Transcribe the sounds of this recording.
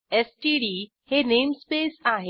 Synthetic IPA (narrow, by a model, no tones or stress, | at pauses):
ɛsʈiɖiː | henemspesaɦe